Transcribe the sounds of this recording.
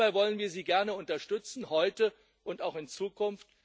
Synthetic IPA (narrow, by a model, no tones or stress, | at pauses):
aɪvɔlənviːɐziːɡɛɐnəʊntɐʃtʏt͡sn̩hɔʏtə | ʔʊntaʊxɪnt͡suːkʊnft